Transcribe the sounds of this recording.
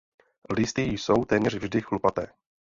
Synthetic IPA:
lɪst̪ɪjso̞wt̪ɛːmɲɛrvʒdɪxlupat̪ɛː

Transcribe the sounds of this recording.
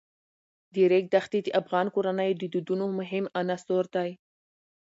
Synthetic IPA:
d̪əɾek̚d̪axt̪id̪əʔafɣɑnkoɾanəjd̪əd̪ud̪unomʊɦɪmanasoɾd̪aj

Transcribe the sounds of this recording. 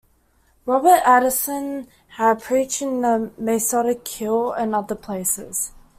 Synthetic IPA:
ɹɒbətaɾəsə̃n | əpʰɹ̥iˑt͡ʃɪ̃nðəmɛsɒɾɪkʰːɪlə̃nʌðəpʰl̥eɪsɪz̥

